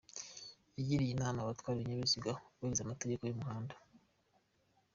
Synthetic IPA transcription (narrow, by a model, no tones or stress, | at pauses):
iɟiɾijinaːmaβatwaːɾiɾiɲaβisiɡawaizamate̞ɟe̞kojumuɦaːndḁ